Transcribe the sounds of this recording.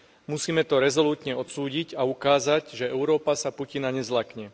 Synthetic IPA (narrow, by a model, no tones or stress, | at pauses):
musiːmɛt̪ɔɾɛzɔluːt̪ɲɛɔt̪suːɟiɟaukaːzaɟʒɛɛʊɾɔːpasapucinaɲɛzlakɲɛ